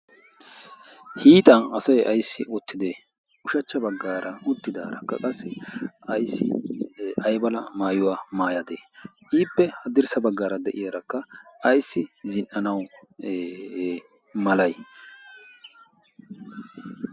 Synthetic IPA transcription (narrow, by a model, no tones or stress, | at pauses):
hiːt̪ʼɐnɐsɐjʔɐjsːɪʔʊt̪ːɪd̪e | ʊʃɐt͡ʃːɐbɐɡːaːɾʔɐʊt̪ːɪd̪aːɾɐ̰kːɐkʼɐsːɪɐjsːɪ̰ | ɐjbɐlɐmaːjʊwaːmaːjɐd̪eː | ʔiːpːɛhɐd̪ɪɾsɐbɐɡːaːɾɐd̪ɛʔɪjaɾɐkːɐɐjsːɪzɪnːɐnɐw | mɐlɐj